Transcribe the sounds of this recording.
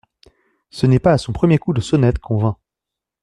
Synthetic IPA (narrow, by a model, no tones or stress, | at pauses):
sənɛpaːsɔ̃pχəmjekud̪əsɔnɛt̪kʰɔ̃vɛ̃